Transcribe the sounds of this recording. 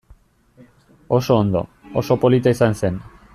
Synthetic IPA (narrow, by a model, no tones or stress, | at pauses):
o̞so̞ːnd̪o̞̰ | o̰so̞po̞lit̪aisanse̞n